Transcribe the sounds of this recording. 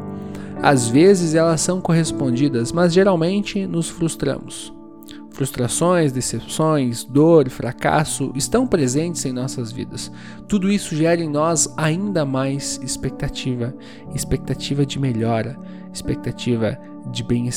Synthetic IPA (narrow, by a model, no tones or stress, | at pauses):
a̰zvezɪzɛlɐsːɐ̃w̃koɦespõnd͡ʒid̪ɐzmɐzʒeɾawmẽnt͡ʃɪnʊsfɾust̪ɾɐ̰̃mʊs | fɾust̪ɾasõj̃zd̪esepsõj̃zd̪oɾfɾaka̰sʊʔɪst̪ɐ̃w̃pɾezẽnt͡ʃɪzẽj̃nɔsɐzvḭd̪ɐs | t̪ud̪ʊisʊʒɛɾɪẽj̃nɔzaĩnd̪ɐmajzɪspek̚t̪at͡ʃivɐ | ɪspek̚t̪at͡ʃivɐd͡ʒɪmeʎɔɾɐ | ɪspek̚t̪at͡ʃivɐ̰ | d͡ʒɪbẽj̃e